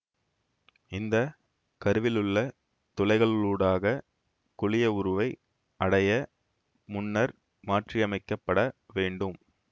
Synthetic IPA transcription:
ɪnd̪ɐ | kɐɾɯʋɪlɯɭːɐ | t̪ɔlɐɪɣɐɭɭuːɽaːɣɐ | kʊɭɪjɐʊɾɯʋɐɪ | ʔɐɽɐjɐ | mʊnːɐɾ | maːʈriɐmɐɪkːɐpːɐɽɐʋeːɳɖɯm

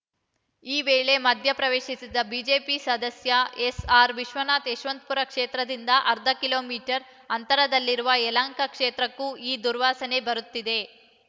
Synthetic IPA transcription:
iːʋeːɭe̞mɐd̪ʱjɐpɾɐʋeːʃisid̪ɐbid͡ʒe̞ːpisɐd̪ɐsjɐesaːɾʋiʃʋɐnaːt̪eːʃʋɐnt̪̚puɾɐkʂeːt̪ɾɐd̪ind̪ɐʔɐɾd̪ʱɐkilo̞ːmiːʈɐɾ | ɐnt̪ɐɾɐd̪ɐlːiɾuʋɐelaːŋkɐkʂeːt̪ɾɐkːuʔiːd̪uɾʋaːsɐne̞bɐɾut̪ːid̪e̞

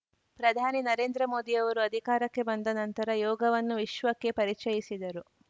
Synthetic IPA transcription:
pɾɐd̪ʱaːninɐɾe̞ːnd̪ɾɐmo̞ːd̪iɐʋɐɾuɐd̪ʱikaːɾɐkːe̞bɐnd̪ɐnɐnt̪ɐɾɐjɔːɡɐʋɐnːuʋiʃʋɐkːe̞pɐɾit͡ʃɐjisid̪ɐɾu

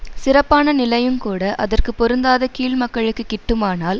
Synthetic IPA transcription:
sɪrɐpːaːnɐnɪlɐjɯmkuːɽɐʔɐðɐrkɯpːɔɾɯnd̪aːðɐkiːlmɐkːɐɭɯkːɯkːɪʈːɯmaːnaːl

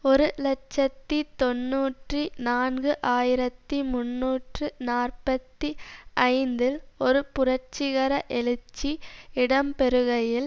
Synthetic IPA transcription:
ɔɾɯlɐt͡ʃːɐt̪ːit̪ɔnːuːʈrinaːnɡɯʔaːjɪɾɐt̪ːimʊnːuːʈrɯnaːrpɐt̪ːiʔɐɪnd̪ɪlɔɾɯpʊrɐɾt͡ʃːɪɣɐɾɐʔɛɭɯt͡ʃːiɪɽɐmpɛɾɯɣɐjɪl

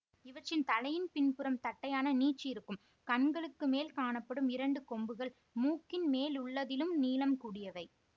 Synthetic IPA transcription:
ɪʋɐʈt͡ʃːɪnt̪ɐlɐjɪnpɪnpɯɾɐmt̪ɐʈːɐjaːnɐniːʈt͡ʃːiɪɾɯkːɯm | kɐɳɡɐɭɯkːɯmeːlkaːɳɐpːɐɽɯmɪɾɐɳɖɯkɔmbɯɣɐɭ | muːkːɪnmeːlʊɭːɐðɪlɯmniːlɐmkuːɽɪjɐʋɐɪ

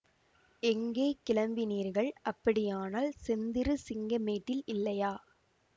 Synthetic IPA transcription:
ɛŋɡeːkɪɭɐmbɪniːɾɣɐɭʔɐpːɐɽɪjaːnaːlsɛnd̪ɪɾɯsɪŋɡɐmeːʈːɪlɪlːɐjaː

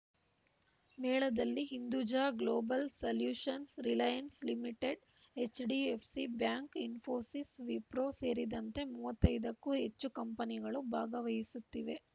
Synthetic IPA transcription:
mɛːɭɐd̪ɐlːiɦind̪ud͡ʒaːɡloːbɐlsɐljuːʂɐnsɾilɐjɐnslimiʈeɖ | et͡ʃːɖiepʰsibjaːŋkinfʰo̞ːsisʋipɾoːse̞ːɾid̪ɐnt̪e̞muːʋɐt̪ːɐjd̪ɐkːuɦet͡ʃːukɐmpɐniɡɐɭubʱaːɡɐʋɐjisut̪ːiʋe̞

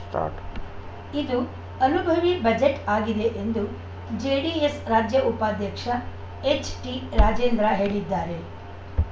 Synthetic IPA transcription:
ʈa̰ʈ | id̪u | ɐnubʱɐʋibɐd͡ʒeʈaːɡid̪eʔend̪u | d͡ʒeːɽiesɾaːd͡ʒjɐupaːd̪ʱjɐkʂɐ | et͡ʃʈiɾaːd͡ʒeːnd̪ɾaɦe̞ːɭid̪ːaːɾe

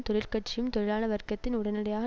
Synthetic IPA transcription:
t̪ɔɽɪɾkɐʈ̚t͡ʃːɪjɯmt̪ɔɾɪɾaːnɐʋɐɾkɐt̪ːɪnʊɽɐnɪɽɐjaːɣ

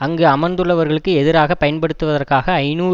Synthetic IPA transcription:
ɐŋɡɯɐmɐnd̪ɯɭːɐʋɐɾɣɐɭɯkːɯɛðɪɾaːɣɐpːɐjɐnpɐɽɯt̪ːɯʋɐðɐrkaːɣɐːɪnuː

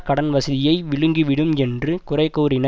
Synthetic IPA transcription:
kɐɽɐnʋɐsɐðɪjɐɪʋɪɻɯŋɡiʋɪɽɯmɛndrɯkʊrɐɪkːoːɾɪnɐ

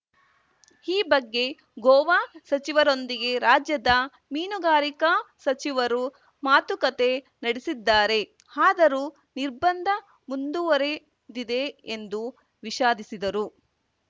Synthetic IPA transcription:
iːbɐɡːe̞ | ɡɔːʋaːsɐt͡ʃiʋɐɾo̞nd̪iɡe̞ɾaːd͡ʒjɐd̪ɐ | miːnuɡaːɾikasɐt͡ʃiʋɐɾu | maːt̪ukɐt̪e̞ | nɐɽesid̪ːaːɾe̞ | aːd̪ɐɾu | niɾbɐnd̪ʱɐ | mund̪uʋɐɾe̞ | d̪id̪e̞end̪u | ʋiʃaːd̪isid̪ɐɾu

